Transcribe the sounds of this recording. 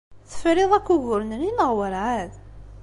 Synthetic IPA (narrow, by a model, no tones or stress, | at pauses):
θə̥fɾeðˤækːuʝʊɾnɾinəʁwəɾʕað